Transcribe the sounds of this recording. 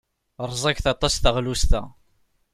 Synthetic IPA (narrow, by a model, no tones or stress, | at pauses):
ɾˤzˤɑkθɑt̪ˤɑsθəʁlust̪æ̰